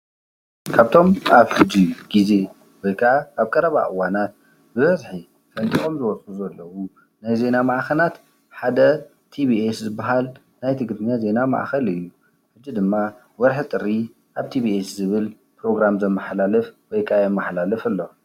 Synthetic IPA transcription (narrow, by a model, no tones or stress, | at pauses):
kʰaβt̪ʰo̞mʔaβħɨd͡ʒiɡ̥ize̞ | wɔjkʰaʔaʔaβkʼɐɾɐβa̰ʔɨwanat̪̚ | bɨβɐzħi | fɐnt̪ʼiʔo̞mzɨwɔsʼuzɐlːɐwu | najze̞namaʔxɐlat̪ | ħad̪ɐ | t̪ʰibieszɨbːaɦal | najt̪ʰɨɡd̪ʰɨɲːaze̞nama̰ʔxɐlɨjːu | ħɨd͡ʒːid̪ɨmːa | wɔɾħɨt̪ʼɨɾi | ʔaβt̪ʰibieszɨβɨl | pʰɾo̞ɡɾamzɐmːɐħlalɨfwɔjkʰajɛmːaħlalɨfɨlːo̞